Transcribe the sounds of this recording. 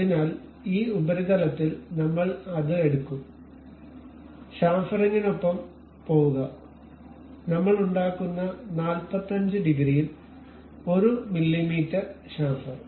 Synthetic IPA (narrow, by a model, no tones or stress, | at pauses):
ɐinaːl | iːubɐɾiɣɐlɐt̪ːilnɐmːɐɭɐðɨe̞ɽukːum | ɕaːfɐriŋːino̞pːɐm | po̞ːʋuɣɐ | nɐmːɐɭuɳɖaːkːunːɐnaːlpɐt̪ːɐɲd͡ʑɨɖiɡriːjin | o̞ɾumilːimiːtːɐrɕaːfɐr